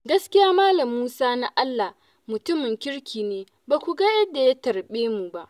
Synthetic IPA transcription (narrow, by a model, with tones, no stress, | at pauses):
ɡɐ˦skʲɪ˦jaː˦maː˦lɐ˨mːuː˦saː˦na˦ʔa˦lːa˨ | mʊ˨tʊ˦mɪ˨ŋkʲɪ˦ɽkʲiː˨neː˨ | ba˨kʷu˨ɡa˦jɐ˦dːa˨ja˦tɐ˨ɽɓeː˦mu˨ba˦ʔ